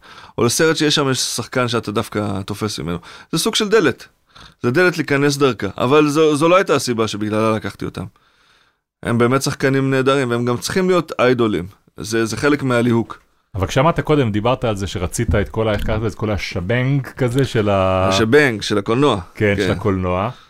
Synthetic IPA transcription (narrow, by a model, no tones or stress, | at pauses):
o̞̰leseʁetʃejeʃamjeʃsaχkanʃeat̪adafkat̪o̞fe̞smḭme̞̰noz̥esuɡ̥ʃeld̪e̞le̞t̪ | zed̪e̞let̪liːkane̞s̬d̪aʁkaʔa̰valzozoloajt̪aːsibaʃebiɡlalalakaχt̪io̞̰t̪a̰m | hḛmbe̞ːme̞tsaχkanimne̞ːd̪aʁimveemɡamt͡si̥χimlijo̞t̪ajd̪o̞lḭm | zezeχe̞lekmealihuk | avalkʃamaːt̪ako̞d̪e̞md̪ibaʁt̪aːlzeʃeʁat͡sit̪aet̪̚ko̞laeχkaveet̚ko̞laʃabeŋɡkazeʃelaaʃabeŋɡʃe̞lakolno̞akeneelakolnoa